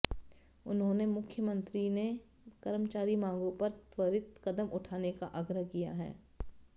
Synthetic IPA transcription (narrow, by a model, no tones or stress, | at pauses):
ʊnɦõnemʊkʰjəmə̃nt̪ɾine | kɐɾəmt͡ʃaːɾimãːŋɡõpɐɾt̪wəɾɪt̪kɐd̪əmʔʊʈʰaːnekaʔəɡɾəɦkija̰ɦɛ̰ː